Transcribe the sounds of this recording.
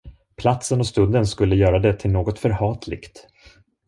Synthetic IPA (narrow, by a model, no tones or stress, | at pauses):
pʰlat̪sənɔst̪ɵnd̪ənskɵlːəjœːɾad̪ɛt̪ʰɪlnoːɡɔt̪fœɾhɑːt̪ʰlɪ̰kt̪